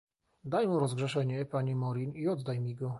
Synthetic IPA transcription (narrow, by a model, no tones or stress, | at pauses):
d̪ajmuɾɔzɡʐɛʂɛɲɛpaɲimɔɾʲiniɔd̪d̪ajmʲiɡɔ